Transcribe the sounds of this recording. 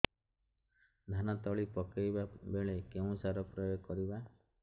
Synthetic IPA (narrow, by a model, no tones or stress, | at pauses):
d̪ʱanat̪ɔɭipɔkajbabeɭekeũsaɾɔpɾɔjojkɔɾiba